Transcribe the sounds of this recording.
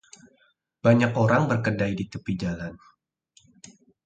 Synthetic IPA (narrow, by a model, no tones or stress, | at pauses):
b̥aɲakoɾaŋbərkədajdit̪əpid͡ʒalan